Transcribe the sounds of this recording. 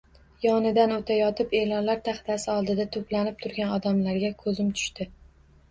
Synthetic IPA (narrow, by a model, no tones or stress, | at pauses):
jɒnɪd̪anot̪ʰajɒt̪ʰɪpe̞lɒnlaɾt̪ʰaχt̪asɪɒlˠd̪ɪd̪at̪ʰoplanɪp̚t̪ʰʊɾɡʲanɒd̪amlaɾɡʲakʰɵzɪmt̪ʰʊ̥ʃt̪ɪ